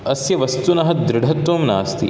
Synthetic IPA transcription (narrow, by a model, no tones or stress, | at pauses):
ɐsjɐʋɐst̪unɐɦɐd̪ɾɪɖʱɐt̪ʋomna̰ːst̪ḭ